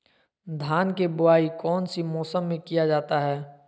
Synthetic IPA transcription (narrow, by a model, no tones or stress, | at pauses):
d̪ʱaːnkebʊaːikɔːnsimɔːsəmːẽkijad͡ʒaːt̪aɦɛː